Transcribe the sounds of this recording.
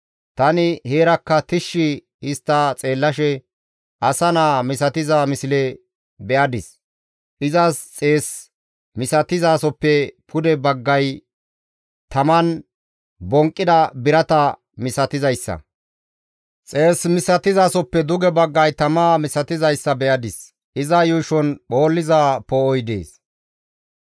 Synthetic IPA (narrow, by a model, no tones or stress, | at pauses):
t̪ɐnɪhe̞ːɾɐkːɐt̪ɪʃːɪ | ɪst̪ːɐt͡sʼe̞ːlːɐʃɛ | ʔɐsɐnaːmɪsɐt̪ɪzamɪsɪlɛ | bɛʔɐd̪ɪs | ʔɪzɐst͡sʼe̞ːs | mɪsɐt̪ɪzaːsɔpːɛpʰʊd̪ɛbɐɡːɐj | t̪ɐmɐn | bɔŋkʼːɪd̪ɐbɪɾɐt̪ɐ | mɪsɐt̪ɪzɐjsːɐ̰ | t͡sʼe̞ːsmɪsɐt̪ɪzaːsɔpːɛd̪ʊɡɛbɐɡːɐjt̪ɐmaːmɪsɐt̪ɪzɐjsːɐbɛʔɐd̪ɪs | ʔɪzɐjʊʃɔnɓo̞ːlːɪzaːpɔɔjd̪ḛːs